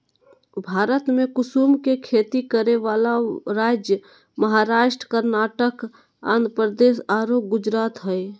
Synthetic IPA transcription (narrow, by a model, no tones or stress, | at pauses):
bʱaːɾət̪mẽkʊsumkekʰeːt̪ikəɾeʋalaɾaːd͡ʒjə | məɦaɾaːʃʈɾə̥kəɾnaːʈək | ã̰nd̪ɾpɾəd̪eːsaːɾoːk̚ɡʊd͡ʒɾaːt̪ɦɛj